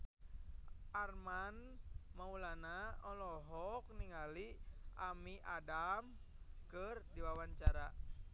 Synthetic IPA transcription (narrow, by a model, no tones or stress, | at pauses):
ʔarmanmaulanaɔlɔɦɔk̚niŋaliʔamiʔadam | kɨrdiwawaɲt͡ʃaɾa